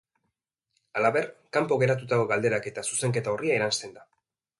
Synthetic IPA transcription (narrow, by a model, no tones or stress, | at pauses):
alaβe̞ɾkampo̞ɣe̞ɾat̪ut̪akoɣald̪e̞ɾake̞t̪asuse̞ŋke̞t̪aoriaeɾanst̪e̞nd̪a